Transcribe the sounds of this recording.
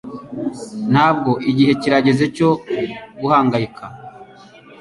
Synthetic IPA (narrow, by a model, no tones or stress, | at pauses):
n̥haːb̚ɡo̞ʔiɟihe̞ciɾaɟe̞ze̞co̞ɡuhaːŋɡajikʰa